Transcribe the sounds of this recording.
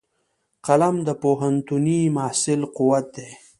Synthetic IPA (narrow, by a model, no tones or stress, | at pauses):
qalamd̪əpoɦant̪unimahsɪlquwat̪̚d̪e